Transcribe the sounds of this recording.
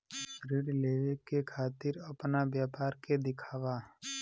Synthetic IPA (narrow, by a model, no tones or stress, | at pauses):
ɾɪɽleːʋekekʰaːt̪ɪɾɐpnabjaːpaːɾked̪ɪkʰaːʋa